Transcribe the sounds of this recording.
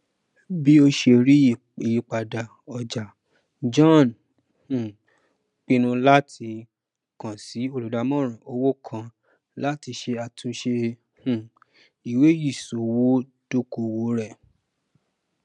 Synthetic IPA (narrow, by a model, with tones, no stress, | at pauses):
bi˦o˧ʃe˧ɾi˦˨ | i˨ji˨k͡pa˨da˨ | ɔ˨d͡ʒa˨ | d͡ʒɔ̃˦˨n | hũ˨ | k͡pĩ˧nũ˧la˦tʰi˧ | kã˨si˨˦o˧lu˨da˨˧mɔ̃˦˨ɾ̃ã˨o˧wo˦kʰã˧ | la˦ti˧ʃe˧a˨˧tʰũ˧ʃe˧ | hũ˨ | i˨we˨˦ji˦˨so˨wo˦ | d̥o˦ko˨˧wo˨˦ɾɛ˦˨